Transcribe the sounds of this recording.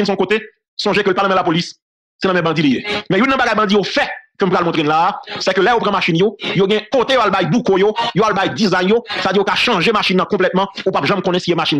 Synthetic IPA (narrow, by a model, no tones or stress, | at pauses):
nsɔ̃kot̪e | sɔ̃ʒekølpanãmɛ̃lapolis | seɛnãmɛ̃bɑ̃d͡zilijemɛ̃jũnːɐ̃baɡajbɑ̃dijofɛkøm̩pɣalmɔ̃t̪ʁenlaːsɛkølɛjopʁãmaʃinjojoɡɛ̃kot̪ejoalbajbukojojoalbajdizajnjose̥tadijokaʃɑ̃ʒemaʃinːãkɔ̃plɛt̪mɑ̃upapʒãmkɔ̃nɛ̃sijemaʃin